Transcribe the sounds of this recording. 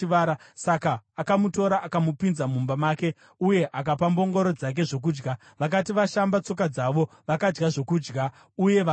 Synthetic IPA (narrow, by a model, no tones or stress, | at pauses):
ʋaɾasakaːkamuto̞ɾaʔakamupinzamumbamaːke̞ | uje̞ʔakapambo̞ŋɡo̞ɾo̞d͡zak̬e̞ʐo̞k̬uːd͡ʒɡa | ʋak̬atiʋaʃambat͡so̞k̬ad͡zaʋo̞ | ʋakad͡ʒɡaʐo̞kuːd͡ʒɡa | uje̞ʋa